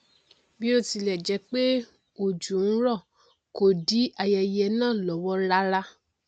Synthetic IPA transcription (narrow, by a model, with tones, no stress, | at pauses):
bi˦o˧ti˧lɛ˨d͡ʒɛ˨˧k͡pe˦ | o˨d͡ʒu˨n̩˦ɾɔ˦˨ | ko˨di˨˦a˧jɛ˧jɛ˧˦nãː˦˨lɔ˨wɔ˦ɾa˦ɾa˦